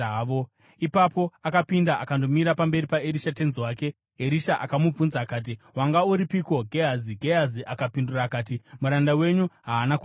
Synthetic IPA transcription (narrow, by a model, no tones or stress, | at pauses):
ʋo | ipapo̞akapindaʔakando̞miɾapambe̞ɾipaeɾiʃate̞nziwaːke̞ | eɾiʃaʔa̰kamub͡vunzaːkaːt̬iwaŋɡauɾipiko̞ɡʱeɦaziɡʱeɦaziʔakapinduraːkaːtimuɾandawe̞ɲuɦaːnaku